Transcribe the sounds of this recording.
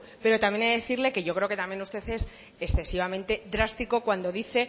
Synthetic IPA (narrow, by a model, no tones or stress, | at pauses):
pe̞ɾo̞t̪amje̞neðeθiɾle̞ke̞ʝo̞kɾeo̞ke̞t̪amje̞nust̪e̞θes | eksθe̞siβ̞amẽnt̪e̞d̪ɾast̪iko̞kwand̪o̞ðiθe̞